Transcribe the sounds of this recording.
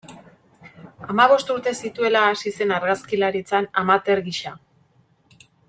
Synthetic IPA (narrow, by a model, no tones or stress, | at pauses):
amaβ̞o̞st̪uɾt̪e̞sit̪ue̞laːsise̞naɾɣaskilaɾit͡sanamat̪e̞ɾɣiʃa